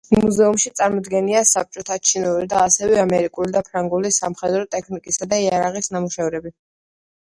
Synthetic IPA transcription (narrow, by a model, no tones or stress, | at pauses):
muzɛumʃit̪sʼaɾmɔd̪ɡɛniasap̚t͡ʃʼɔt̪ʰat͡ʃʰinuɾid̪aːsɛvɛamɛɾikʼulid̪apʰɾaŋɡulisamχɛd̪ɾɔt̪ʼɛkʰnikʼisad̪aiaɾaʁisnamuʃɛvɾɛbi